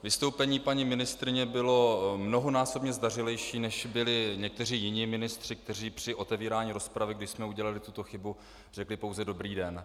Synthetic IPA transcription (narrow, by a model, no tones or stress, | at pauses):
vɪst̪o̞wpɛɲiːpaɲɪmɪnɪst̪ɾɪɲɛbɪlo̞mno̞ɦonaːso̞bɲɛzdarɪlɛjʃiːnɛʃbɪlɪɲɛk̚t̪ɛr̝iːjɪɲiːmɪnɪst̪r̥ɪk̚t̪ɛr̝iːpr̝̥ɪʔo̞t̪ɛviːɾaːɲiːɾo̞spɾavɪɡdɪʃsmɛuɟɛlalɪt̪ut̪o̞xɪbu | r̥ɛklɪpo̞wzɛdo̞bɾiːdɛn